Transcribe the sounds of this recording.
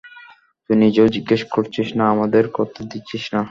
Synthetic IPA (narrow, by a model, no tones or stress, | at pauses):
t̪unid͡ʑed͡ʑiɡːeʃkoɾt͡ɕʰiʃnaamad̪eɾkɔt̪ʰod̪iːɕʰiʃna